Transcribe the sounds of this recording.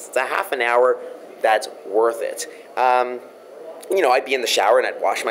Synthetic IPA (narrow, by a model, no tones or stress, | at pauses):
stsɨɦæ̰fɨ̃naʊə˞ | ðætswɜ˞θɪ̰t̚ | ʔʌ̃m | jɨnoʊaɪd̚biɨ̃nðɨʃa̰ʊə˞ɨ̃naɪd̚wɑ̰ʃma